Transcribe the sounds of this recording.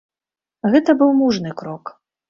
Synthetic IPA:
ɣɛt̪ɐbɨwmuʐnɨkɾɔk

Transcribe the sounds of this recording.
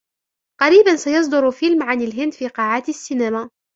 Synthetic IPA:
qɑɾiːbansajɑs̬ˤd̪ʊɾfɪlmʕanalɦɪnd̪fiːqɑːʕaːt̪asːinamaː

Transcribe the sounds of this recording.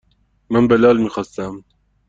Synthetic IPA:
mənbɛlɑːlmixɑst̪am

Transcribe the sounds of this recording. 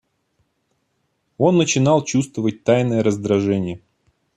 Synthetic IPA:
o̞nːət͡ɕɪnɑlˠt͡ɕust̪vəvət̚ʲt̪ajnəjəɾəzd̪ɾɐʐɛnʲɪjə

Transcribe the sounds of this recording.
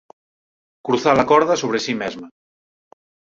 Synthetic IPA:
kɾuθalakɔɾðasoβ̞ɾesimɛzma

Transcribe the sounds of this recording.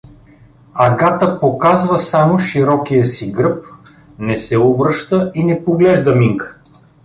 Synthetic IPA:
ɐɡat̪əpokazvɐsamoʃiɾɔkijəsiɡɾɤp̚ | nɛsɛobɾɤʃt̪əinɛpoɡlɛʒd̪ɐmiŋkə̥

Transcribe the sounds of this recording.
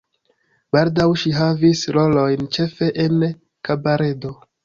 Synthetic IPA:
b̥aldawʃiɦavisɾo̞lo̞jnt͡ʃe̞fe̞ʔen | kabaɾe̞do̞

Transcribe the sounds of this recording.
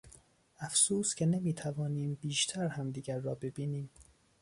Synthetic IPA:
æfsuːscʲʰenemiːt̪ʰævɒːniːmbiːʃt̪ʰæɾhæmd̪iːɟæɾːɒːbe̞biːniːm

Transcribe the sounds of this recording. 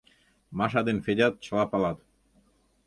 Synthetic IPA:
mɑʃ̬ɑd̪enfedʲɑt̪̚t͡ɕəlɑpɑlɑt̪

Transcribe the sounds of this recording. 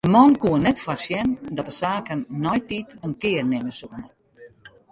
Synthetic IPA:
dəmɔnkuənɛtfasjɛndɔt̚dəsaːkənːɔjtitənkɪːrnɪməsuənə

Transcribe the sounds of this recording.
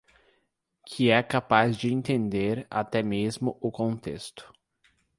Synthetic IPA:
kʰɪɛkapazd͡ʒɪẽnt̪ẽnd̪eɾa̰t̪ɛmezmʊʔʊkõnt̪est̪ʊ̥

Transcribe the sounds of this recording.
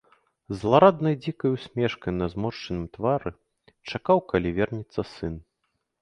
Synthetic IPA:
zlˠaɾad̪nɐjd͡zʲikɐjusʲmʲɛʂkɐjnɐzmɔʂt͡ʂɐnɨmt̪vaɾɨ | t͡ʂakawkalʲivʲɛrnʲit̪sːɐsɨn

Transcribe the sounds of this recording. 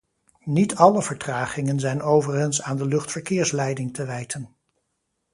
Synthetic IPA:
nitɑləvəɹtraːχɪŋənzɛjnowvərənsaːndəlɵχtfəɹkɪːɹslɛjdɪŋtəʋɛjtʰən

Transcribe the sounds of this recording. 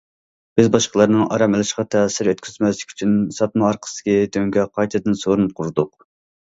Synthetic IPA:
b̥ɪzbɑʃqʰəlˠɑɾnɨŋɑɾɑmɪlˠɪʃqɑt̪ʰɛːsɪɾøt̪kʲyzmɛslɪkʲʰy̥t͡ʃʰynsɑt̪̚mɑɑɾqʰə̥sɨ̥kʲid̪ʰøŋɡʲɛqʰɑjt̪ʰɨd̪ɨnsoɾunɨp̚qʰʊɾɨd̪ʊq

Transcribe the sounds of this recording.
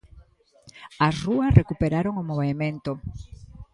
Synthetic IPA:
ɐsruɐsrekupeɾaɾoŋomoβemẽnt̪o

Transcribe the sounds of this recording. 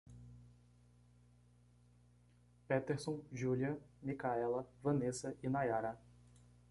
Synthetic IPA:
pet̪eɾsõʒuliɐmikaɛlɐvɐ̃nesɐʔɪnajaɾa

